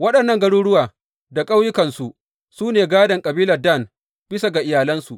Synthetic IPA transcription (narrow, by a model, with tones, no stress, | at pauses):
wɐ˦ɗɐ˨nːɐ˦˨ŋɡɐ˦ɽuː˦ɽʊ˦waː˨ | da˨kʼa˦wjʊ˦kɐ˨nsu˨ | suː˦neː˨ɡaː˦dɐ˨ŋkʼɐ˨biː˦lɐ˨rda˦˨n | b̥ɪ˦sa˨ɡa˨ʔɪ˨jaː˨lɐ˦nsu˨ʔ